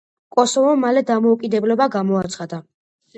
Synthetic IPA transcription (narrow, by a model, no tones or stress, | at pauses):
kʼɔsɔvɔmalɛd̪amɔukʼid̪ɛblɛbaɡamɔat̪sʰχad̪a